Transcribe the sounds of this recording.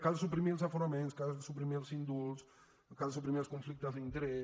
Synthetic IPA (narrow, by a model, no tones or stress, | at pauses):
kalɐsupɾimils̬afoɾamẽnskazɐzsupɾimilsĩnd̪uls | kazɐs̬upɾimiskõɱflik̚t̪ɐzẽnt̪ɾe